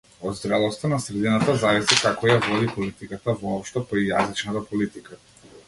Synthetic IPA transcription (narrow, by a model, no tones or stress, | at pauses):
ɔd̪zd̪ɾɛlˠɔst̪anasɾɛd̪inat̪azavisikakɔjavɔd̪ipɔlit̪ikat̪avɔɔpʃt̪ɔpaijazit͡ʃnat̪apɔlit̪ika